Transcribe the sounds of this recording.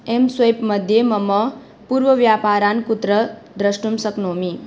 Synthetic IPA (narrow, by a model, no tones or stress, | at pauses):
emsʋɐjpməd̪ʱjeməmə | puɾʋəʋjapaːɾaːnkut̪ɾəd̪ɾəʃʈumsəknoːmi